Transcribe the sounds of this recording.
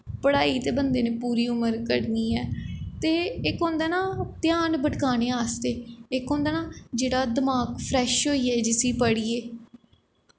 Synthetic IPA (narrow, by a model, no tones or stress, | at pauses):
pəɽaːiːt̪eːbənd̪eːneːpuːɾiːʊməɾkəɽniːɛːt̪eːɪkõːnd̪ɛːnãːt̪jaːnbəʈkaːneːaːst̪eːɪkõːnd̪aːnãːd͡ʒeːɽaːd̪əmaːkpʰɾɛːʃɦoːiːɛːd͡ʒɪsiːpəɽiːeː